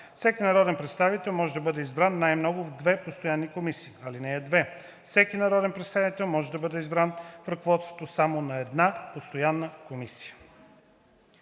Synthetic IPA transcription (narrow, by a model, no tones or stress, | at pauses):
fsɛkinɐɾɔd̪ɛnpɾɛt̪st̪avit̪ɛlˠmɔʒɛd̪ɐbɤd̪ɛizbɾanːajmnɔɡʊvd̪vɛpost̪ojanːikomisiːɐlinɛːd̪vɛ | fsɛk̟inɐɾɔd̪ɛnpɾɛt̪st̪avit̪ɛlˠmɔʒɛd̪ɐbɤd̪ɛizbɾanfɾɐkovɔt̪st̪vot̪osamonɐɛd̪napost̪ojanːəkomisi̥jə̥